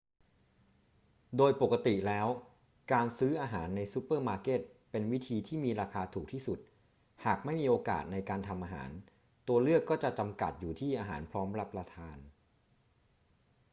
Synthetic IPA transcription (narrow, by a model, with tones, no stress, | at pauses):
doː˧jpo˨˩kːa˧t̪i˨˩lɛː˦˥w | kaː˧nsɯː˦˥ʔaː˧ɦaː˩˦nːa˧jsu˦˥pːɤː˥˩maː˧ke˦˥˩t̪̚pe˧nwi˦˥t̪ʰiː˧t̪ʰiː˥˩miː˧ɾaː˧kʰaː˧t̪ʰuː˨˩k̚t̪ʰiː˥˩su˨˩t̪̚ | haː˨˩k̚ma˥˩jmiː˧ʔoː˧ka̰ː˨˩t̪̚na˧jkaː˧nt̪ʰa˧mʔaː˧ɦa̰ː˩˦n | t̪u˧ɐlɯ˥˩əkːɔː˥˩t͡ɕa˨˩t͡ɕa˧mka̰˨˩t̪̚juː˨˩t̪ʰiː˥˩ʔaː˧ɦa̰ː˩˦npʰɾɔː˦˥mpɾa˦˥pːɾa˧t̪ʰaː˧n